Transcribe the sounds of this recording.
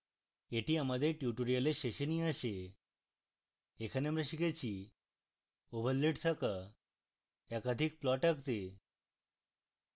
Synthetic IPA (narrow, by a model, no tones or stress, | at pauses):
eʈʰiamad̪eʈjuʈoɾijəleʃeɕənĩaʃe | kʰənemɾəɕiket͡ɕʰi | oʋʱəlːeʈt̪ʰəkə | ɛkad̪ʱik̚plɔʈəkt̪e